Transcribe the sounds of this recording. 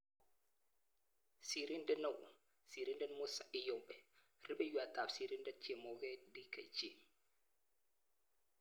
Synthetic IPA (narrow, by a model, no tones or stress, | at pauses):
siɾindɛnawʔṵ | siɾindɛnmɔsaʔijɔwɓɛ | riɓɛjuatafsiɾindɛt͡ʃɛmɔɡɛdika̰jd͡ʒe